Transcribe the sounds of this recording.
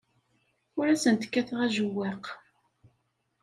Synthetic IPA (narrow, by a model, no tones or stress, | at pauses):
ʊɾæsənt̪ə̥kːæθʁæʒəwːæq